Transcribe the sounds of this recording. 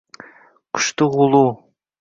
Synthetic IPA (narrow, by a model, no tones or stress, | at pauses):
kʊ̥ʃt̪ɨʁulˠu